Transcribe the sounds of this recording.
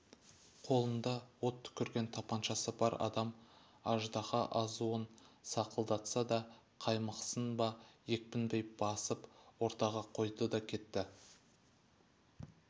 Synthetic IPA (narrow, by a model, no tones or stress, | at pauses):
qʰo̞lˠənd̪ɑwot̪ʰːʏ̥kʲɪɾɡʲe̞nt̪ʰɑpɑnʃɑsəbɑɾɑ̰d̪ɑm | ɑʒd̪ɑʁɑʔɑzuənsɑqəlˠd̪ɑt̪sɑd̪ɑ | qʰɑjməqsənbɑje̞k̚pɪnbe̞jb̥ɑsəpwo̞ɾt̪ɑʁɑqʰo̞jd̪əd̪ɑkʲʰe̞t̪ːɪ